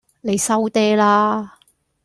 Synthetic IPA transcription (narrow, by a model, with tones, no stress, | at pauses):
ne˨˧jsɐ˥wt̪ɛː˥laː˥